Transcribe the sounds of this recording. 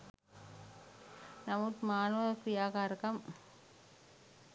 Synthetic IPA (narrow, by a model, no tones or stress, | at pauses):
nɐmut̪maːnɐʋkɾijaːkaːɾɐkɐm